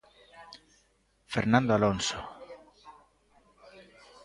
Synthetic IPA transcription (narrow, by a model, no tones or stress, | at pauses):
feɾnãnd̪oalonso